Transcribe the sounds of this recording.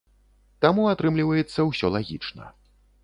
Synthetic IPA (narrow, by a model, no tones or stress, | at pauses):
t̪amuat̪ɾɨmlʲivɐjɛt̪sːɐwsʲɔlˠaɣʲit͡ʂnɐ̰